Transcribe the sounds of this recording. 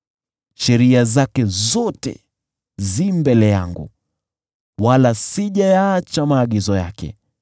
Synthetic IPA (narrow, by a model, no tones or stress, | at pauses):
ʃɛɾiazakɛzɔtɛ̰ | zimbɛlɛja̰ŋɡṵ | walasiʄajaːt͡ʃamaːɠizɔja̰kɛ̰